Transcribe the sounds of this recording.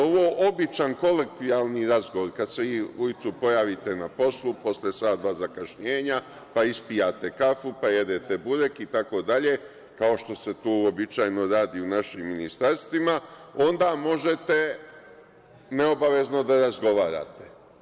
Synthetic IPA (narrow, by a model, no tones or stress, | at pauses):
oʋoːʔo̞bit͡ʃanko̞lekt̪iaːlˠniɾazɡoʋoɾkad̪seʋiːujit̪supo̞jaːʋit̪e̞napo̞slˠupo̞slesaːd̪d̪ʋaːzakaʃɲeːɲa | paispijaːt̪e̞kafupaje̞d̪et̪e̞buɾekit̪ako̞ːd̪aʎe̞ː | kao̞ʃt̪o̞se̞t̪uːobit͡ʃajno̞ɾaːd̪iunaʃimːinist̪aɾst̪ʋimao̞nd̪aːmo̞ʒet̪e̞ | ne̞obaʋe̞zno̞d̪aɾazɡo̞ʋaːɾa̰ːt̪e